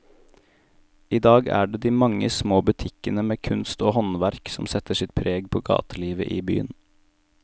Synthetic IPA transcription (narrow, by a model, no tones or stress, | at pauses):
iːd̪ɑːɡæ̰ːɖeːd̪iːmɑŋəsmoːbʉt̪ʰɪkənəmeːkʰʉnst̪oːhɔnʋæɾksɔmsɛt̪əʂɪt̪̚pʰɾeːɡpʰoːɡɑ̰ːt̪ʰəliːʋə̰ʔiːby̰ːən